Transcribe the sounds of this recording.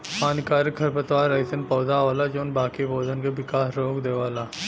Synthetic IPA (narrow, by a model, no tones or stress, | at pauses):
paːnkaːɾikʰɐɾpət̪ʋaːɾaɪsənpɔːd̪aʋaːlad͡ʒoːnbaːkiboːd̪ənkeʋɪkaːsɾoːkd̪eːʋaːlaː